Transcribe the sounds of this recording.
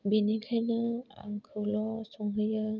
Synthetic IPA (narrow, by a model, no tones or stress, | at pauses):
binikʰajnɯa̰ŋkʰɯwlɔsɔŋɦɯjɯ